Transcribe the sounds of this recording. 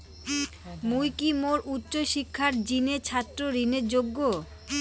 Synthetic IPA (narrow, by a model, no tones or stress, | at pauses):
mujkimoɾutːɕoʃikʰːaɾd͡ʑinet͡ɕʰat̪ːɾoɾineɾd͡ʑoɡːo